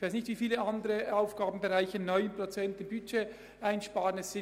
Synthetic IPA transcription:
ç̥v̥aɪsnɪçtviːfiːləʔandəʁəaʊfɡ̥aːbn̩beʁaɪçəɪnːɔʏənpʁ̥ot͡sɛntɪnbyt͡ʃe | ʔaɪnʃpaːʁənɛsɪ

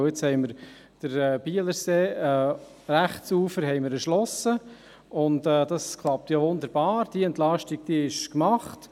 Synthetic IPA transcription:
jɪt͡shɛɪməɾ | d̥əɾɛːb̥iːələɾseːɛː | ɾæχsuːfəɾɦɛɪməɾəʃlɔsə | ʊntɛːd̥ɑskʰlˠɑp̚tjoʋʊnd̪əɾb̥ɑːɾd̥iɛntlɑʃtiɡ̚d̥iɪʃkmɑχt

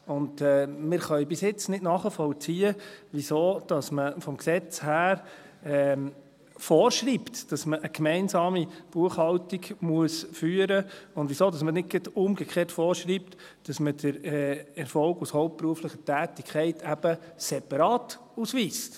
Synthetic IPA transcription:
ʊndɛːmɪɾχœʏbɪsjɪt͡snɪtnɑːχəfɔwt͡siːəʋisoːd̥ɑsməfɔmksɛt͡shæːɾ | ɛ | foːɾʃɾiːptd̥ɑsməʔəkmɛɪnsɑːmib̥uəχhɑltiɡmuəsfyːəɾəʊndvʋisoːdɑsmənɪt̚ɡ̥ətʊmɡəkχeːtfɔːɾʃɾiːpt | d̥ɑsmədəɾɛɛɾfɔlɡushɔʊp̚t̚pɾuəflɪχətæːtɪkʰχɛɪtʰæb̥əsɛpɑɾɑːt | usʋiːst

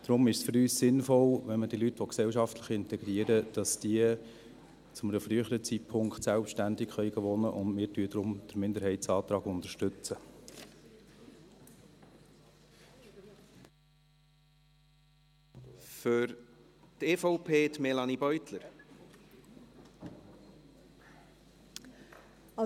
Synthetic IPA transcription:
d̥ɾʊmɪʃsfʏɾyːssɪnfɔlʋɛnməd̥iəlytʋɔksɛlʃɑftləχɪnt̪ɛɡ̥ɾiəɾəd̥ɑsd̥iə | t͡sʊmənəfɾyəχəɾət͡sitpʰʊŋktsælpʃtændɪkχœʏɡəʋɔnəʔʊndmɪːɾtyəd̥̪ɾʊmd̪̥əɾmɪnd̪əɾɦɛɪtsɑːt̪ɾɑːɡʊnd̪əɾʃtʏt͡sə | fʏɾt̪eːfɔʊpʰeːt̪mɛlɑnibœʏt̪ləɾ

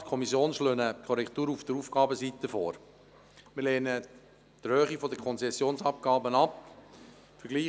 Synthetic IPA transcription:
kʰɔmisjoːnʃløːnəkʰɔɾɛkt̪uːɾufd̥əɾuːfɡ̥ɑːbəsit̪əfɔːɾ | mɪɾleːnə | d̥̪əhøːχifɔd̪əkʰɔnt͡sɛsːjoːnsɑp̚ɡ̥ɑːbənɑp | fəɾɡliː

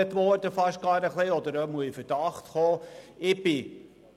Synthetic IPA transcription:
ətʋɔrdəfɑʃɡ̥ɑːɾəχleɔd̪əɾømuəifəd̥ɑχtχoːɪb̥ɪ

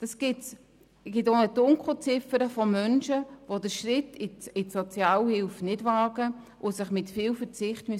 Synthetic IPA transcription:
d̥ɑsɡ̥ɪts | ɡ̥ɪtonətʊŋkʊt͡sɪfəɾəfɔmœnʃəʋodəʃrɪtɪɪtsot͡sjaːlhɪlfnɪdvaːɡ̥ə | ʔʊsɪχmɪtfiːlfəɾt͡sɪχtmy

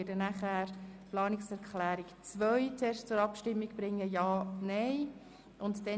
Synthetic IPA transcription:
ɪdənæχæːɾplɑːnɪksɛɾkʰlæːɾikt͡svœʏt͡sɛːstt͡sʊɾɑpʃtɪmːiɡ̥b̥ɾɪŋːəjɑːnɛɪ | ʔʊntd̥ɛ

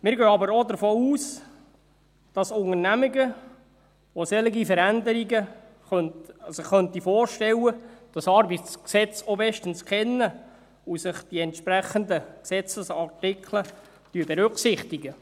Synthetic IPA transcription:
mɪːɾɡøːɑbəɾodəɾfoːuːs | d̥ɑsʊŋəɾnæmɪɡə | ʋosɛlɪɡifəɾændəɾiɡə | χœntsɪχːœnt̪ifɔːɾʃtɛwəd̥ɑsɑɾbitsksɛt͡sobɛʃtənskχɛnːə | usɪχd̥iɛnt̪ʃpɾæχːənd̪əksɛt͡səsɑrtɪkʰlə | tyəbɛɾʉksɪχt̪iɡə

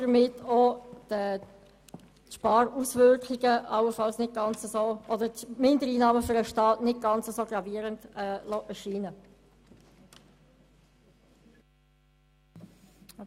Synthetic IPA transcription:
əmɪtod̥ə | tʃpɑːɾusvʏɾkχɪɡəɑwəfɑlsnɪt̚ɡ̥ɑnt͡səzoːʔɔdətmɪndəɾiːnɑːməføɾəʃtɑːtnɪt̚ɡ̥ɑnt͡səzoːɡʁɑviːəɾəndɛlɔʔɛʃiːnə

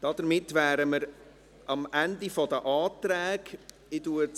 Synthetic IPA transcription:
d̥ɑd̥̪əɾmɪtːʋæːɾəməɾ | ʔɑmʔændifɔdəʔɑːtɾæːɡ | ɪduə

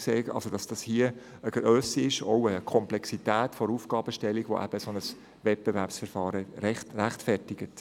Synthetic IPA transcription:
seːɑ̰lsod̥ɑsd̥ɑshiə | əɡ̥ɾøsiɪʃɔʊəkʰɔmplɛksitæːtfɔɾufɡ̥ɑːb̥əʃtɛlːiɡ̥ʋo̰ʔæ̰b̥əsonəs | ʋɛt̚b̥evæɾpsfəɾfɑːɾəɾɛtræχtfɛrtɪɡ̥ət

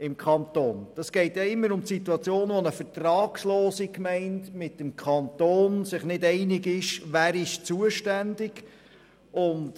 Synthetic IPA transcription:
ɪmkʰɑntoːnd̥ɑsɡ̥ɛɪtjaɪmːəɾʊmtsituɑt͡sjoːnʋɔnəfətɾɑːksloːsikmɛɪntmɪtəmkʰχɑntoːnsɪχnɪdɛɪnɪɡɪʃʋæːɾɪʃt͡suəʃtændɪɡ | ʊnt

